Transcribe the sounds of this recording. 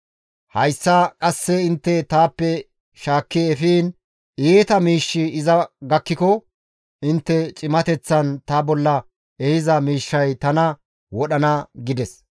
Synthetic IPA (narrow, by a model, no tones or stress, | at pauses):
hɐjsːɐkʼɐsːɛɪnt̪ːɛt̪aːpːɛ | ʃaːkːiɛfiːn | eːt̪ɐmiːʃːɪɪzɐɡɐkːɪkɔ | ʔɪnt̪ːɛt͡ʃʼɪmɐt̪ɛt͡sːɐnt̪ɐbɔlːɐ | ɛhɪzɐmiːʃːɐjt̪ɐnɐ | wɔɗɐnɐɡɪd̪ɛs